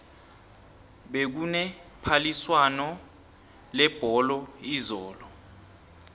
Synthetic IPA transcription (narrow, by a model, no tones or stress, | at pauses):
ɓek̬unɛpʰaliswanɔ | lɛb̥ʱɔlɔizɔːlɔ